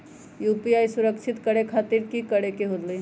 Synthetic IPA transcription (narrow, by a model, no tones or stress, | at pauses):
jupiajsuɾəkt͡ʃʰɪt̪kəɽekʰaːt̪iɾkikəɽekeɦod̪li